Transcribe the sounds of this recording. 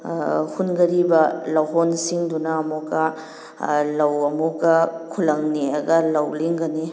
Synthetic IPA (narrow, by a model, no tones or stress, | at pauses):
hunɡɐɾibɐlɐwɦɔnsiŋdunɐːmukɐ | lɐwɐmukɐkʰulɐŋniɐɡɐlɐwliŋɡɐni